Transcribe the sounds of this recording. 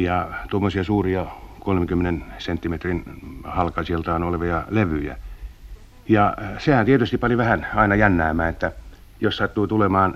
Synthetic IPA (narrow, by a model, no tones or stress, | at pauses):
jɑt̪uomːosiɑsuːriɑkolmeŋkymːenensent̪ːimet̪rinhɑlkɑsielt̪ɑːnoleʋɑjɑleʋyjæ̰ | jɑsehænt̪iet̪yst̪ipɑniʋæhænɑinɑjænːæːmːæːnet̪ːæ | jossɑt̪ːuːt̪ulemɑːn